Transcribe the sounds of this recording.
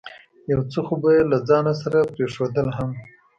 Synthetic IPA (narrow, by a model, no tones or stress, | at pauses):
jawt͡soxobajlad͡zɑnas̬aɾapɾeʂod̪əlɦam